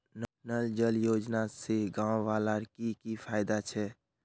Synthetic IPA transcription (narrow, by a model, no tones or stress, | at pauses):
nnəld͡ʒəljod͡ʒnaseɡãwʋalaɾkikipʰajd̪at͡ʃʰɛ